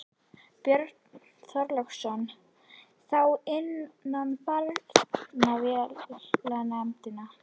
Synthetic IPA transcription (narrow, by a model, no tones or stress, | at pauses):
pjœɾt̪ | θœɾlœxsɔn | θawɪnːanfalnavjɛlanamt̪ɪna